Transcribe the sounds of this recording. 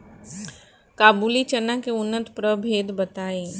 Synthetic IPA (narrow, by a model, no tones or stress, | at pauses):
kaːbuːlit͡ʃənakeʊnːət̪pɾəbʱeːd̪bɐt̪aːẽː